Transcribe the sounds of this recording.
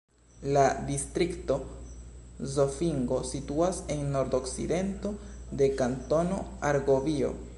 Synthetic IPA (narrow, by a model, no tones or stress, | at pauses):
ladistɾikto̞ | zofiŋɡo̞situase̞nːo̞ɾdo̞ksḭde̞nto̞ | de̞kanto̞no̞aɾɡo̞vio̞̰